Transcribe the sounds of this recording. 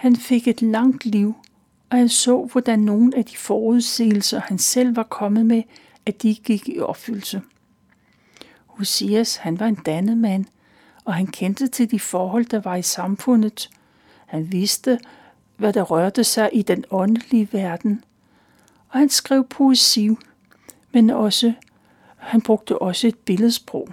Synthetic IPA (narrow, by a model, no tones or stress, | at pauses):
hænfe̝ɡ̥e̝d̥lɑ̈ŋ̰d̥liʊ̰ | ɒ̽hænsɔ̰̽ːʋɒd̥ænːo̝ːn̩æd̥ifɒːuð̞ˠse̝̰ːl̩sɐhænsel̰ʋɑ̈kʰɒ̽mð̩ˠme | æd̥iɡ̥iɡ̥iɒ̽b̥fylsə | ho̝siæshænʋɑ̈e̝nd̥ænəmæn̰ | ɒ̽ɦænkʰend̥ət͡sʰe̝ld̥ifɒːɦɒ̽l̰d̥ɑ̈ʋɑ̈isɑ̈mfɔ̽n̰ð̩ˠ | hænʋe̝sd̥ə | ʋæd̥ɑ̈ʁɶɐd̥əsɑ̈ɪʔid̥enɒ̽nə̥liəʋæɐd̥n̩ | ɒ̽hænsɡ̥ʁɛʊ̰pʰo̝esiʊ̰ | menɒsə | hænb̥ʁoɡ̥̚d̥əʔɒ̽səe̝d̥̚b̥e̝lð̩ˠsb̥ʁɔʊ̰